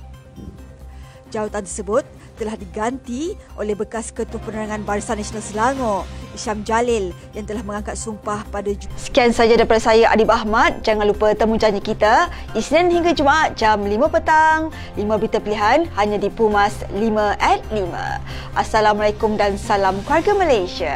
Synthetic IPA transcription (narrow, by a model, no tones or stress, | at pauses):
d͡ʒawat̪ant̪ərsəbʊt̪ːəlahdiɡant̪iʔolɛhbəkaskət̪uhpənəɾaŋãnbaɾisanːasonalsəlaŋoiʃamd͡ʒalɪljaŋt̪əlahməŋãŋkat̪̚sumpahpadad͡ʒsə̥kiansad͡ʒadaipadasajaʔa̰dibaɦmat̪̚d͡ʒaŋanlupət̪əmũd͡ʒaɲəkit̪a | isnanhiŋɡad͡ʒumaʔat̪̚d͡ʒamlimə̃pət̪aŋ | limãbit̪apiliɦanhaɲãdipumaslimə̃ʔɛt̪̚limã̰ | ʔasalamalajkʊmdansalamkuarɡamalajsia